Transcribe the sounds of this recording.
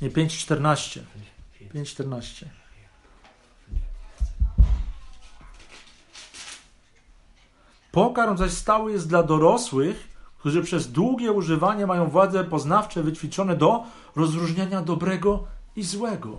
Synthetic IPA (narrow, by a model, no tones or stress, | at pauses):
ɲɛpʲjeɲt͡ɕt͡ʂt̪ɛɾnaɕt͡ɕɛ̰pʲjeɲt͡ɕt͡ʂt̪ɛɾnaɕt͡ɕɛ | pɔkaɾmzaɕst̪awɘjɛst̪d̪lad̪ɔɾɔswɘxk̚t̪uʐɘpʂɛzd̪wuɡʲjɛuʐɘvaɲɛmajɔ̃w̃vwad̪zɛpɔznaft͡ʂɛvɘt͡ɕfʲit͡ʂɔnɛd̪ɔ | ɾɔzɾuʐɲaɲad̪ɔbɾɛɡɔizwɛɡɔ